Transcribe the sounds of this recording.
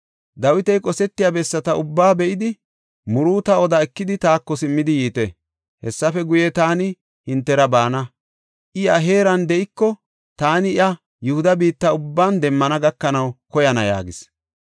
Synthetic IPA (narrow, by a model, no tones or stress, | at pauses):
d̪ɐwɪt̪ɛjkʼɔsɛt̪ːɪjabɛsːɐt̪ɐʊbːaːbɛʔɪd̪ɪ | mʊɾuːt̪ɐɔd̪ɐɛkːɪd̪ɪt̪aːkːɔsɪmːɪd̪ɪjiːt̪ɛ | hɛsːɐfɛɡʊjɛt̪aːnɪ | hɪnt̪ːɛɾɐbaːnɐ | ʔɪɐɦe̞ːɾɐnd̪ɛɪkːɔ | t̪aːnɪɪɐ | jʊhʊd̪ɐbiːt̪ːɐʊbːaːnd̪ɛmːɐnɐɡɐkːɐnɐwkɔjɐnɐja̰ːɡɪs